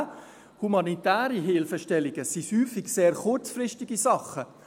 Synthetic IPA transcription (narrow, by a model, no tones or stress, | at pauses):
humɑnitæːɾiɦɪlfəʃtɛliɡəsihyːfiɡseːɾχʊɾt͡sfrɪʃtiɡisɑχə